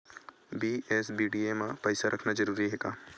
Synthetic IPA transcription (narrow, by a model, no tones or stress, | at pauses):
biːesbiːɖiemãpɐɪsaɾʔɐkʰnad͡ʒɐɾuːɾiɦeːkaː